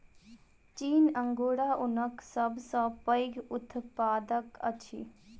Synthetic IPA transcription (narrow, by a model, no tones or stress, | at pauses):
t͡ʃiːnə̃ŋɡoːɽaʔʊnəksəbsə̃pəjɡʊt̪ʰpaːd̪əkə̰t͡ʃʰḭ